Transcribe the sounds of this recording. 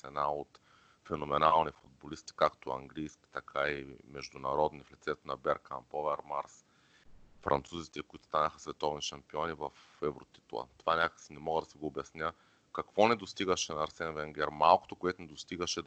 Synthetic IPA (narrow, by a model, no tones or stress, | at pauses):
sɛnaot̪ | fɛnomɛnalˠnifʊd̪̚bolist̪i̥kakt̪oɐ̰ŋɡlijskʲi̥t̪ɐkʰaimɛʒd̪ʊnɐɾɔd̪niflɛt̪sɛt̪onɐbɛɾka̰npovɛɾmaɾs | fɾʔɐ̰nt̪suzit̪ɛkoit̪o̥st̪anəxə̥svɛt̪ɔvniʃɐmpiɔnivɐf | ɛvɾo̰t̪i̥t̪lˠə̰t̪ovanʲakəksinɛmɔɡəd̪ɐsiɡoːbjɐsnʲə | kɐkvɔnɛd̪ost̪iɡəʃɛnɐːɾsɛnvɛŋɡʲɛɾmalˠko̥t̪okoɛt̪onɛd̪ost̪iɡəʃɛ